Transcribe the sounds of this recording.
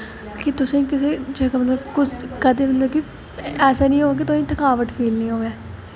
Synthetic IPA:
kɪt̪ʊsẽkɪseːd͡ʒeːkamət̪ləbkʊt͡ʃʰkəd̪eːmət̪ləbki | ɛːsaːnĩːɦoːaːk̬it̪ʊsẽːt̪əkaːʋəʈpʰeːlnĩːɦoːɛː

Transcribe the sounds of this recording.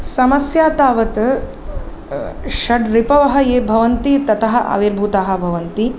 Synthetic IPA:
sɐmɐsjaːt̪aːʋɐt̪ | ʃɐɖɾipɐʋɐɦɐ̆jeːbʱɐʋɐnt̪it̪ɐt̪ɐɦɐ̆ʔɐ̰ʋiɾbʱuːt̪aːɦɐ̆bʱɐʋɐnt̪i

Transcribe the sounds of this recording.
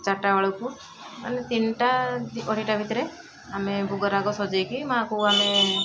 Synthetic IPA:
t͡ʃaʈawaɭɔku | a̰net̪inʈad̪iɔɽiʈabʱit̪ɔɾe | amebʱuɡɔɾaɡɔsɔd͡ʒejkimaakuame

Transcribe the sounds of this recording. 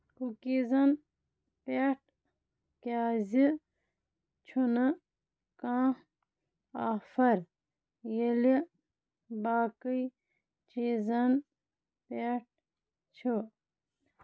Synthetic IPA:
kukizɐn | peʈ̚ | kaːzi | t͡ʃʰunɐ | kãː | aːfɐɾ | jeli | baːkəj | t͡ʃizɐn | peʈ̚ | t͡ʃʰo

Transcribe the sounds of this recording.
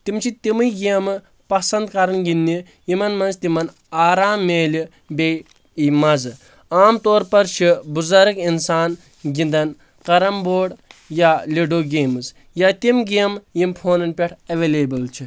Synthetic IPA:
t̪imt͡ʃʰit̪imɨɡiɐmɨ | pɐsɐnd̪kɐɾɐnɡinːi | jimɐnmɐnst̪imɐn | aːɾaːmːeːli | bʲe | imɐzɨ | aːmt̪oːɾpɐɾt͡ʃʰibuzɐɾɐkinsaːn | ɡind̪ɐn | qɐɾɐmboːɽjaːlʲeɖoːɡeːmɨz | jaːt̪imɡimjimpʰoːnɐnpʲeʈʰɐʋeːleːbɨlt͡ʃʰi

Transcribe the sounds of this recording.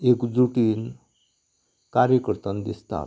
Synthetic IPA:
ekd͡zɾuʈiːn | kaɾjəkəɾt̪ənd̪ḭst̪a̰

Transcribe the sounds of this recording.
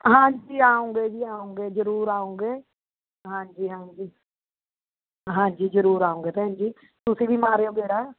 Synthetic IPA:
ɦãːɲd͡ʒiːaːõːŋɡeːd͡ʒiːaːõːŋɡeːzəɾuːɾaːõːŋɡeː | ɦãːɲd͡ʒiːɦãːɲd͡ʒiː | ɦãːɲd͡ʒiːzəɾuːɾaːõːŋɡeːt̪eɦãːɲd͡ʒiː | t̪ʊsĩːʋiːmaːɾeːoːɡeːɽaː

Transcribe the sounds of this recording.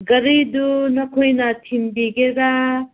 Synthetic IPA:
ɡɐɾijdunɐkʰojnatʰimbiɡeɾa

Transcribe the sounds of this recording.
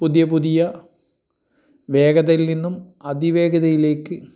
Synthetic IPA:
puðjɐpuðijɐ | ʋe̞ːɡɐðɐjilninːumɐd̪iʋe̞ːɡɐðɐjile̞ːkːɨ

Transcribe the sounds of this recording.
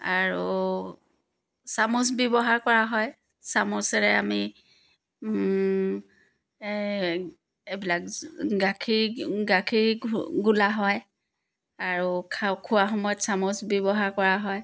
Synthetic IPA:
aɹu | samʊs̬bjɔbɔɦaɹkɔɹaɦɔj | samʊsɛɹɛami | ebilak̚ɡakʰiɹɡakʰiɹɡulaɦɔj | aɹukʰakʰʊwaxɔmɔjɔtsamʊsbjɔbɔɦaɹkɔɹaɦɔj

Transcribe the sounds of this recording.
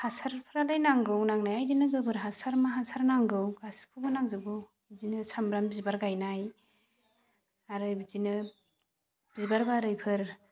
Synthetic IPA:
hasaɾpʰɾalajnaŋɡɯwnaŋnajajdinɯɡɯbɯɾɦasaɾmaɦasaɾnaŋɡɯwɡaskʰɯbɯnaŋzɯbɯ | zinɯsʰambɾambizbaɾɡajnaj | aɾɯjbzinɯ | b̥izbaɾbaɾɯjpʰɯɾ

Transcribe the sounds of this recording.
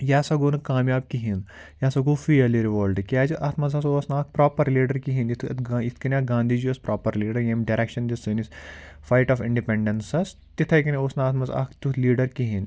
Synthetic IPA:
jaːsɐɡoːnkaːmjaːb̚kiɦin | jaːsɐɡuːfiɐliɾiʋoːlɖkʲaːd͡ʒʔɐt̪ʰmɐzɐsoːsnaːk̚ʰpɾaːpɐɾliːɖɐɾkiɦinit̪ʰːit̪ʰkɐnʲaːɡãːnd̪ʱiːd͡ʒiɐspɾʔaːpɐɾliːɖɐɾjemɖɐɾekʃɐnd̪isɨnis | faːjʈɔːfɪ̃ɳɖipẽɳɖɐnsɐs | t̪it̪ʰɐkɐnioːsnaːt̪ʰmɐza̰kʰt̪uliːɖɐɾkiɦin

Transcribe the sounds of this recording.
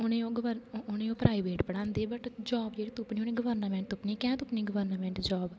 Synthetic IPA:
ʊnẽːõːɡəʋəɾʊnẽːõːpɾaːiʋeːʈpəɽãːnd̪eːbəʈd͡ʒɔːbd͡ʒeːɽit̪ʊpnĩːonĩːɡəʋəɾnəmɛ̃ːɳʈt̪ʊpniːkɛ̃ːt̪ʊpniːɡəʋəɾnəmɛ̃ːɳʈd͡ʒɔːb

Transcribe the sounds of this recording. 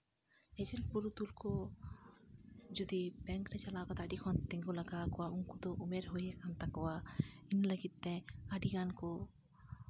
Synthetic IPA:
ɛd͡ʒɛnpuɾut̪ulkɔ | d͡ʒɔd̪ibɛŋkɾɛt͡ʃɐlakɔt̪aɖikʰɔnt̪ɛ̃ŋɡulɐɡakɔwauŋkud̪ɔʔumeɾɦojɛkant̪akɔwainləɡit̪ːɛ̃aɖikankɔ

